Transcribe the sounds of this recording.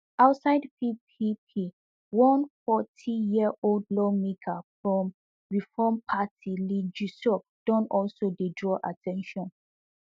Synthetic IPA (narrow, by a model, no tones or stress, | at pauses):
aʊtsaɪdpʰipʰipʰi | wɔ̃nfɔtʰijiəʔoldlɔmikʰafɹɔ̃m | ɹifɔmpʰatʰilid͡ʒusɔfd̥ɔ̃nɔlsodedɹɔʔatʰɛ̃nʃɔ̃n